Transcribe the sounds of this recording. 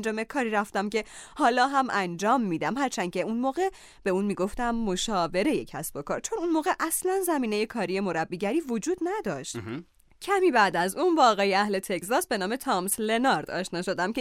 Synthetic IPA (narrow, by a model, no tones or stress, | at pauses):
nd͡ʒɒːme̞kʰɒːɾiɾæft̪æmce̞hɒːlɒːɦæmʔænd͡ʒɒːmːiːd̪æmhæɾt͡ʃʰæncʰe̞unmoːɣe̞ | b̥e̞uːnmiːɡo̞ft̪æmːo̞ʃɒːve̞ɾe̞je̞cʰæsb̥o̞kʰɒːɾt͡ʃʰo̞nunmoːɣeʔæslænzæmiːne̞je̞kʰɒːɾije̞mo̞ɾæbːiːɟæɾiːvo̞d͡ʒuːd̪næd̪ɒːʃt̪ | cʰæmiːbæd̪æzunbɒːɣɒːjeæhle̞t̪ʰe̞czɒːsbe̞nɒːme̞t̪ʰɒːmsle̞nɒɾd̪ɒ̰ːʃnɒːʃo̞d̪æmce